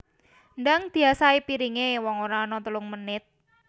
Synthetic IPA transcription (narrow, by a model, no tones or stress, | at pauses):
ndaŋd̪̥i̤asaipiɾiŋewɔŋoɾaɔnɔt̪əlʊŋmənɪt̪̚